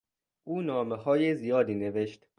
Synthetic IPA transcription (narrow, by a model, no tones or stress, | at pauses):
ʔuːnɒːmehɒːjezijɒːd̪iːne̞ve̞ʃt̪